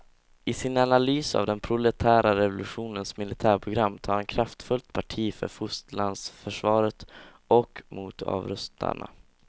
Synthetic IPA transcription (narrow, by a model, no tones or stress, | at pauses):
ɪsɪnanalyːsa̰vd̪ɛnpʰɾʊlɛt̪ʰæːɾaɾɛvʊlɵɧuːnənsmɪlɪt̪ʰæːɾpʰɾʊɡɾamːt̪ʰɑːɾɛnkʰɾaft̪fɵlt̪pʰaʈʰiːfœ̰ɾfʊst̪land̪sfœʂvɑːɾət̪ | ɔkmuːt̪ɑ̰ːvɾɵst̪ʰa̰ɳa̰